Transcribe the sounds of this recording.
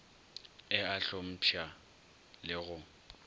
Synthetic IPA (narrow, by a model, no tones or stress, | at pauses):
ɪaɬom̩pʰja | lɪɣʊ